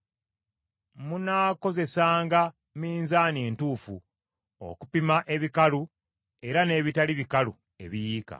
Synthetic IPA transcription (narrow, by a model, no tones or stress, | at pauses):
munaːko̞ze̞saːŋɡa | miːnzaːneːntuːfṵ | o̰kupimaʔe̞βikalu | e̞ɾane̞ːβitaliβikalṵ | e̞̰βijiːka̰